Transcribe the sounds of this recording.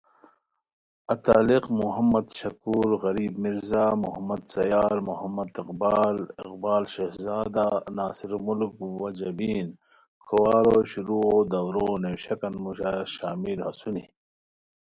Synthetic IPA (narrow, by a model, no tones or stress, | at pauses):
ɐt̪aːliqmuɦɐmːɐd̪ɕɐkuːɾɣɐɾiːbmiɾzaːmuɦɐmːɐd̪sɐjaːɾmuhɐmːɐd̪iqbaːlɪ̰qbaːlɕehzaːd̪anaːsiɾmulkwɐd͡ʒɐbiːn | kʰowaːɾoːɕuɾuod̪ɐwɾoːnewɕɐkɐnmuɕaːɕaːmiɾhɐsunḭ